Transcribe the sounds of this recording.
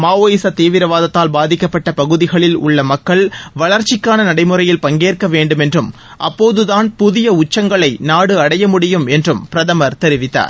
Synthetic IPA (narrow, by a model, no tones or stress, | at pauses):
maːʋoːjɪsɐt̪eːʋɪɾɐʋaːðɐt̪ːaːlbaːðɪkːɐpːɐʈːɐpɐɣɯðɪɣɐɭɪlʊ̰ɭːɐmɐkːɐɭʋɐɭɐɾt͡ʃɪkːaːnɐnɐɽɐɪmɯrɐjɪlpɐŋɡeːrkɐʋeːɳɖɯmɛndrɯm | ʔɐ̰pːoːðɯðaːnpʊðɪjɐʊt͡ʃːɐŋɡɐɭɐɪnaːɽɯɐɽɐjɐmʊɽɪjɯmɛndrɯmpɪɾɐðɐmɐɾt̪ɛɾɪʋɪt̪ːa̰ːɾ